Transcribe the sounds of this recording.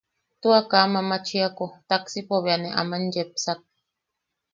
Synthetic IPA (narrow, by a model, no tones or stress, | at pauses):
t̪uakamamat͡ʃiakot̪aksipoβianeʔa̰mand͡ʒepsak̚